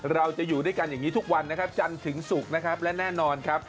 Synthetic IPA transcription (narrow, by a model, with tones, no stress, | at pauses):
ɾa˧wt͡ɕa˨˩juː˨˩duː˥˩jka˧njaː˨˩ŋːiː˦˥t̪ʰu˦˥k̚wa˧nːa˦˥kʰa˦˥p̚t͡ɕa˧nt̪ʰɯ˩˦ŋsu˨˩k̚na˦˥kʰa˦˥p̚lɛ˦˥nɛː˥˩nɔː˧nkʰa˦˥p̚